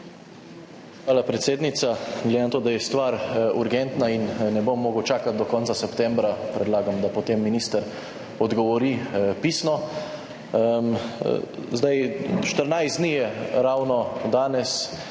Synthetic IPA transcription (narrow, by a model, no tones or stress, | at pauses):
xʋaːlapɾɛt̪seːd̪nit̪saɡled̪enat̪oːd̪ajɛst̪ʋaːɾuɾɡɛnt̪nainnɛbomːoːɡəwt͡ʃaːkat̪̚d̪ɔkɔnsasɛpt̪ɛmbɾapɾɛd̪laːɡamd̪apɔt̪emːiniːst̪əɾ | ɔd̪ɡɔʋɔɾipiːsnɔ | m | zd̪ajʃt̪əɾnajzd̪nijɛɾawnɔd̪aːnɛs